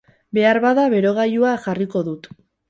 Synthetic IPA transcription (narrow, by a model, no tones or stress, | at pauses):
be̞aɾβaðaβe̞ɾo̞ɣ̞ajuaʝariko̞ðut̪